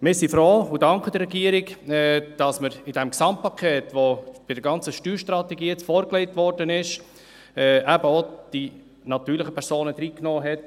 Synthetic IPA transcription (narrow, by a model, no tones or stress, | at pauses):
mɪsifɾoːʊdɑŋkəd̥̪əɾːɛɡiəɾɪkɛd̥ɑsməɾɪdɛmksɑm̚pʰːɑkʰɛːtʋob̥ɪdəɾɡɑnt͡səʃtyːɾʃtɾɑt̪ɛɡiːjɛt͡sfɔːɾkleɪtvʋɔɾdənɪʃ | ɛæbəod̥i | nɑt̪yːɾləχəpʰɛɾsoːnəd̥̪ɾiːknɔːɦɛt